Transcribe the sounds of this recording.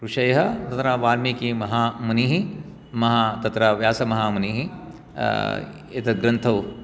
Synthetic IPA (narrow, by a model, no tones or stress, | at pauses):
ɾuʂɐjɐɦɐt̪ɐt̪ɾɐʋaːɾmikimɐɦaːmuniɦi | mɐɦat̪ɐt̪ɾɐʋjaːsɐmɐɦaːmuniɦi | it̪ɐɡɾɐnt̪ʰɐw